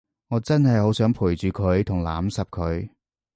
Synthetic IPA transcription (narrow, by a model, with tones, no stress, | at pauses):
ŋɔː˨˧˥t͡sɐ˥nɦɐ˨jho˨˥wsœː˨˥ŋpʰuː˨˩jt͡ʃyː˨kʰɵ˨˧˥ɥt̪ʰʊ˨˩ŋla̰ː˨˥msɐ˨p̚kʰɵ˨˧ɥ